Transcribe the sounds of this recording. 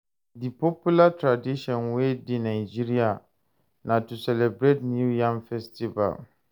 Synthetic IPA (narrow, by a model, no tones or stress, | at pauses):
dipʰopulatʰɾadiʃɔ̃nwedinãɪd͡ʒiɾia | nãtusɛlɛbɾetnjujãŋfɛstʰiva̰l